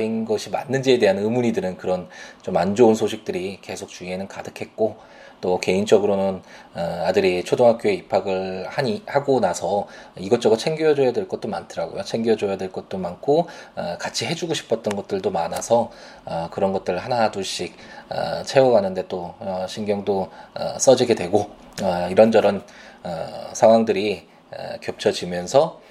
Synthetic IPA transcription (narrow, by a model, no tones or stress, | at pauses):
inɡʌɕʰima̰nːɯnd͡ʑie̞de̞ɦanɯmuɲidɯɾɯnkɯɾʌnt͡ɕomand͡ʑounsʰoɕʰik̚t͈ɯɾike̞sʰok̚t͡ɕuiɦenɯnkadɯkʰe̞t̚k͈o | t͈oke̞int͡ɕ͈ʌɡɯɾonɯnʌadɯɾit͡ɕʰodoŋɦak͈joeipʰaɡɯɭhaɲihaɡonasʰʌiɡʌt͡ɕ͈ʌɡot͡ɕʰe̞ŋɡjojʌd͡ʑojadweɭk͈ʌt͈̚omantʰɯɾaɡo̰jot͡ɕʰe̞ŋɡoʌd͡ʑojadwe̞ɭk͈ʌt̚t͈omankʰoʌkat͡ɕʰiɦe̞d͡ʑuɡoɕʰi̥pʰʌt̚t͈ʌnɡʌt̚t͈ɯɭdomanasʰʌ | ʌkɯɾʌnɡʌt̚t͈ɯɾɯɭhanaduɕ͈ik̚ʌ̰t͡ɕʰe̞wʌɡanɯnde̞t͈oʌɕʰinɡjʌŋdoʌ̰s͈ʌd͡ʑiɡe̞dwe̞ɡo | ʌiɾʌnd͡ʑʌɾɯnʌsʰaŋwaŋdɯɾi | ʌ̰kjʌp̚t͡ɕʰʌd͡ʑimjʌnsʰʌ